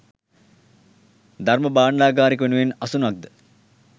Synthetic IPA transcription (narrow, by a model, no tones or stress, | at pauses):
d̪arməbaːɳlaːɡaːɾikəʋenuʋenɐsunuak̚d̪ə